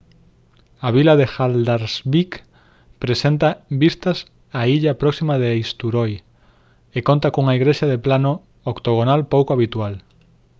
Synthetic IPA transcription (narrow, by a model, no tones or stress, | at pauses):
ɐβilɐðexald̪aɾsβik | pɾesent̪ɐbist̪ɐs | aiʎɐpɾɔksimaðeejst̪uɾoj | ekont̪ɐkuŋɐiɣɾeʃaðeplanʊ | okt̪oɣ̞onalpowkoaβit̪ual